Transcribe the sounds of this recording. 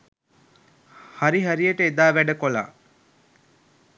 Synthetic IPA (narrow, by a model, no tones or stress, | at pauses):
haɾiɦæɾijəʈəed̪aːʋæɖəkola̰ː